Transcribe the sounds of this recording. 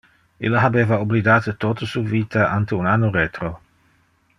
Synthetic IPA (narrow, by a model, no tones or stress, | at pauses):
ilːaɦabeːvaoblid̪aːt̪ət̪ot̪osuviːt̪aʔant̪eunanːorɛt̪ɾo